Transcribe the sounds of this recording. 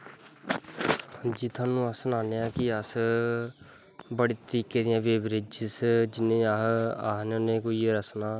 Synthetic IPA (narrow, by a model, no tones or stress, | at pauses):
hd͡ʒiːt̪ʰaːnũːəsənaːneːãːkɪəs | bəɽeːt̪əɾiːkeːd̪ɪjãːʋeːbɾɪd͡ʒsd͡ʒɪnẽːaːɦaːɦnoneːkoːiːɾəsnaː